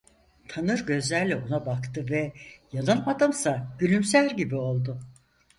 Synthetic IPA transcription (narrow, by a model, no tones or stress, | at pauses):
t̪ʰanɯɾɟø̞zlʲæɾlʲɛo̞nabakt̪ʰɯvɛjalˠɯnmad̪ɯmsaɟ̥ylʲymsæɾɟibio̞lˠd̪ʊ